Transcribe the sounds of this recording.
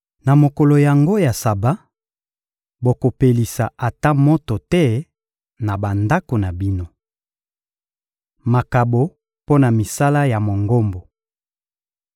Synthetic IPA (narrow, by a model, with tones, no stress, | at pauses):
na˨mo˨ko˨lo˨ja˨ŋɡo˦ja˨sa˨ba˦ | bo˨ko˨pe˨li˨sa˨ʔa˨ta˦mo˦to˨tɛ˦ | na˨ba˨nda˦ko˨na˨bi˦no˦ | ma˨ka˨bo˨ | po˦na˨mi˨sa˦la˦ja˨mo˨ŋɡo˦mbo˨